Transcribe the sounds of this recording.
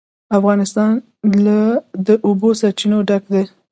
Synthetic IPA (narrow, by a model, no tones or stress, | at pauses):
afɣɑnɪst̪ɑn | lad̪əʔobosaɾt͡ʃinoɖaɡd̪e